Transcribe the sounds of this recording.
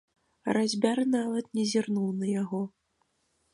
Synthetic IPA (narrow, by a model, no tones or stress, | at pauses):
ɾazʲbʲarnavɐt̪nʲɛzʲirnuwnɐjaɣɔ